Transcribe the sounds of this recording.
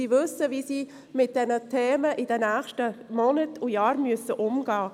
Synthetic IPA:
iːvʏsːəʋiːsiː | mɪt̚d̥ɛnətʰeːməʔid̥ɛnæːxʃtəmɔnətʰujɑːɾmyəsəʔʊmɡɑː

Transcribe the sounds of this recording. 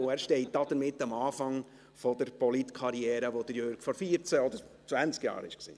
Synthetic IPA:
ʊæːɾʃtɛɪt̚d̥̪ɑd̥̪əɾmɪtːɑmɑːfɑŋ | fɔd̥̪əɾpɔlitkʰɑɾiɛːɾəʋod̪əjøɾɡ̥fɔɾfiːəɾt͡səɔd̥̪əɾ | t͡sʋvænt͡skjɑ̰ːɾɪ̰ʃksḭː

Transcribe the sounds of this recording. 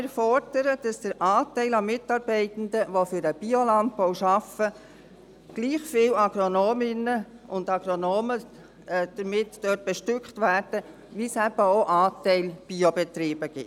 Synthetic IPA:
ɛɾfɔrd̥əɾəd̥ɑsd̥əɾʔɑːtɛɪlɑmɪtːɑɾb̥ɛɪt̪n̩dəʋofʏɾəb̥iolɑnt̚powʃɑfə | ɡ̥liːχfiːlɑɡ̥ɾonoːmɪnə | ʊndɑɡ̥ɾonoːmə | d̥əɾmɪtd̥œːt̚b̥ɛʃtʏkχtʋæːɾd̥ə | ʋisæb̥əoʔɑːtɛɪlb̥iobɛt̪ɾiːbəɡ̥ɪt

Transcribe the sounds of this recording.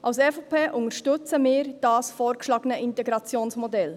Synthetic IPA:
ʔɑʊsɛfopʰeːʔʊŋəʃtʏt͡səmɪːɾd̥ɑːsfɔːɾkʃlɑːɡənəʔɪntɛɡɾɑt͡sjoːnsmɔdɛl

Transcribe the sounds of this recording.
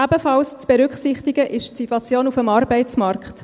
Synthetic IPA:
æbəfɑlst͡sb̥ɛɾʏkχsɪχtiɡəʔɪʃtsitːwɑt͡sjoːnufəmɑːɾbɛɪt͡smɑrkχt

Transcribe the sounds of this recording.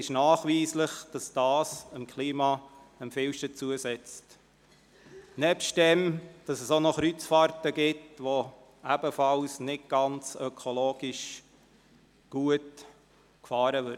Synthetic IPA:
ɪʃnɑːχʋiːsləχd̥ɑsd̥ɑːsəmkʰliːmɑ | əmfɪwʃtət͡suəsɛt͡st | nɛpʃtdɛmd̥ɑsɛsonɔχɾyt͡sfɑːɾtəɡɪtʋo | æb̥əfɑlsnɪt̚ɡ̥ɑnt͡sœkʰoloːɡ̥iʃ | ɡ̥uət | kfɑːɾəʋʏ

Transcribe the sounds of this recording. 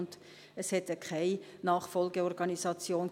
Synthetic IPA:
nt | ɛshɛt̪əkʰaɪ | nɑːχfɔlɡəɔrɡ̥ɑnisɑt͡sjoːn

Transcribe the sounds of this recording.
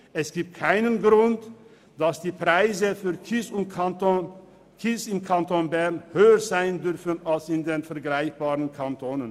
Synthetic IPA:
ʔɛsɡ̥iːp̚t̚kʰaɪnənɡʁʊnt | d̥asd̥iːpʁ̥aɪzəfyːɐkɪsʊn | kʰɪsɪmkʰantonbɛɐnhøːəzaɪəndʏʁfən̩alsɪndeːnfɛɐɡlaɪçb̥aːʁənkʰantʰoːnən

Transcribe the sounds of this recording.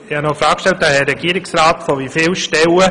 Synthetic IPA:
ɪhɑnɔfɾaːkʃtɛlt̚daːhɛɾɛɡiːɾɪksraːtfɔvifɪːlʃtɛlə

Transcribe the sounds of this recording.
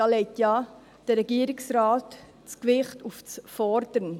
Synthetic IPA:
ɑlɛɪtjɑ | d̥əɾɛɡiːəɾɪksɾɑːt | t͡skʋɪχtuft͡sfɔɾd̥əɾən

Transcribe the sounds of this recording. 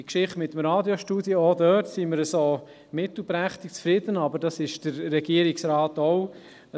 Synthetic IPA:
ikʃɪχtmɪtːəmɾɑːdjoʃtuːdjəodœtsiməɾəsoː | mɪtl̩ˠpɾæχt̪ɪk̚t͡sfɾɪd̥ənɑbəɾdɑsɪʃd̥əɾːɛɡ̥iəɾɪksɾɑːtoʊ

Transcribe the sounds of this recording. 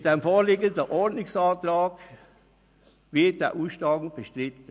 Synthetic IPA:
demfoːɾlɪɡəndəʔɔɹdnɪksɑːtɾɑːɡ | vɪɐt̚d̥ɛ̰ʔuːʃlɑːɡŋ̩b̥əʃtʁɪtə

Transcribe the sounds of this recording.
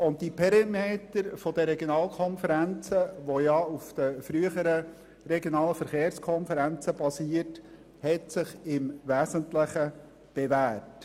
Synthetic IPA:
ʊnt̚tipʰɛɾimeːtəɾfɔd̪əɾɛɡjonɑːlkʰɔnfəɾænt͡səʋojɑufd̪̥əfɾyəχəɾə | rɛɡjonɑːləfəɾχeːɾskʰɔnfəɾænt͡səb̥ɑsiːət | hɛtsɪχɪmvæːsəntlɪχə | b̥evæːt

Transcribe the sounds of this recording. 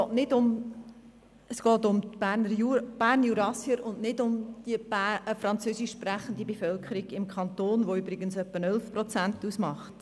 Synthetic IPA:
ɔːtnɪdʊm | əsɡ̥ɔːtʊmbænəɾjub̥æːrnjuɾɑsjəɾʊndnɪdʊmd̥iəbæfɾɑnt͡søːsɪʃːpræχəndibɛfœlkʰəɾiɡɪmkʰχɑntoːnʋoʏbɾɪɡənsœpːənœlfprɔt͡sæntusmɑχt

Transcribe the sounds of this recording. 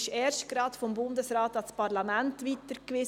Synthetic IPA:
ʃɛːɾʃtɡ̥ɾɑːt̪fɔmbʊndəsɾɑːt̪ɑspɑɾlɑmæntʋiːt̪əɾkʋeː

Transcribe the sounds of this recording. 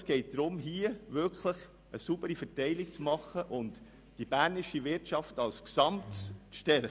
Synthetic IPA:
sɡ̥ɛɪt̚d̥ɾʊmɦiəʋʏɾkʰləχ | əsubəɾifətɛɪlɪk̚t͡smɑχːəʔʊnt | d̥ib̥æːɾnɪʃiʋɪɾtt͡ʃɑftɑlsksɑmtsʃtɛɾə

